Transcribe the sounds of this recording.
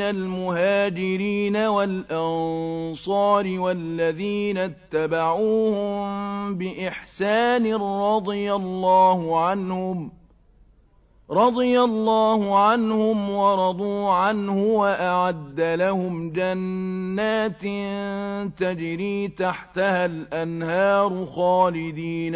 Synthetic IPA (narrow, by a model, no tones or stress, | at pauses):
nalmʊhaːd͡ʒɪɾiːnawalʔɑnsˤɑːɾiwalːaðiːnat̪ːabaʕuːhʊmbɪʔɪħsaːnɪrɾˤɑd̪ˤɨjalːɑːhʊʕanhʊm | ɾˤɑd̪ˤɨjalːɑːhʊʕanhʊmwɑɾˤɑd̪ˤuːʕanhʊwaʔaʕad̪ːalahʊmd͡ʒanːaːt̪ | t̪ad͡ʒɾiːt̪aħt̪ahalʔanhɑːɾˤʊxɑːlɪd̪iːn